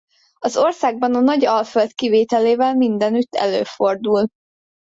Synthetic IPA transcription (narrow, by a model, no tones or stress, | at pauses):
ɒzo̞rsaːɡ̚bɒnɒnɒɟɒlfølt̪kiveːt̪ɛleːvɛlmind̪ɛnyt̪ːɛ̰lø̰ːford̪ul